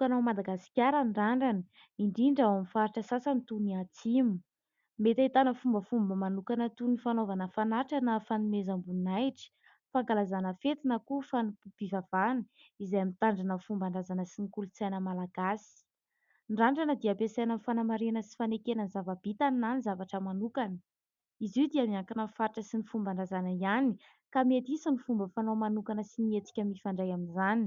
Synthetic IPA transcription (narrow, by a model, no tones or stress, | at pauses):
t̪ukanamad̪aɡasi̥kʲaɾənraɳɖ͡ʐanə | iɳɖ͡ʐiɳɖ͡ʐawamifaɾiʈ͡ʂəsasənt̪uniat͡simu̥ | met̪ait̪anəfumbəfumbəmanukanət̪unifanovanəfanaʈ͡ʂanəfanimezambunajʈ͡ʂi̥ | faŋɡalazanəfet̪inəkufanuub̥ivav̥ani | izajamint̪aɳɖ͡ʐanəfumbaɳɖ͡ʐazanəsinikulut͡sajnəmalaɡ̥asi̥ | ɳɖ͡ʐaɳɖ͡ʐanəd̪iabesajnənifanamaɾenəsi̥fanekenənzavabit̪aninanizavaʈ͡ʂəmanukanə | iziwd̪iamiaŋkanənfaɾiʈ͡ʂəsinifumbaɳɖ͡ʐazanəiani | kamiet̪isənifumbəfanomanukanəsiniet͡si̥kʲəmifaɳɖ͡ʐajaminzani